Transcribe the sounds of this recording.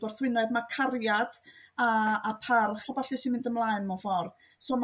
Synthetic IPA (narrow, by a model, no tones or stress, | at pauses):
ɔrθwɪnɛdmakʰarjad̥aːpʰarχɔbaɬɪsɪnmɪndəmlˠaːɨnmɔfɔr | som